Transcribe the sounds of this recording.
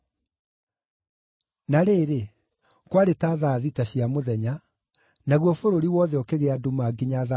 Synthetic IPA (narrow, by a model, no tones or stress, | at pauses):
naɾeːɾe | kwaɾetaːðaːðitaɕiamoðɛɲa | naɣwɔfoɾoɾiwɔðɛɔkeɣeadumaɡiɲaða